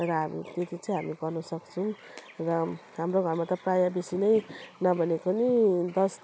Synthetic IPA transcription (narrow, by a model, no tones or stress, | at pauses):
rʌɦamḭt̪et̪it͡sʌ̃ĩɦamiɡʌrnʌsʌkt͡sʰʌ̃ | rʌɦamroɡʱʌrmat̪ʌprajabesinʌjnʌbʱʌnekonid̪ʌs